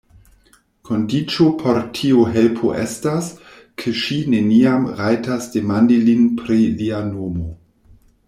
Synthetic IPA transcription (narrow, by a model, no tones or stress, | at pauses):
kʰo̞ndit͡ʃopʰo̞ɾtʰiuɦe̞lpʰo̰ʔḛstas | kʰeʃine̞niamɾajtasd̥e̞mandilinpɾilianomo